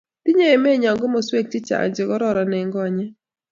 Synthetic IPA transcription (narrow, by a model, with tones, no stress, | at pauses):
tɪ˦ɲe˦e˨me˦˨ɲɔ˨ŋɡɔ˦mɔ˨swe˦k̚t͡ʃɪ˦t͡ʃa̰˨ɲd͡ʒɪ˨kɔ˦ɾɔ˦ɾa˨nɛ˨ŋɡɔ˦a˨ɲɛ˦